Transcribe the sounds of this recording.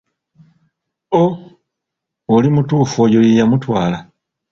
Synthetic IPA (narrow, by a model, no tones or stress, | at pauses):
o | olimutuːfojo̞jejamutwaːla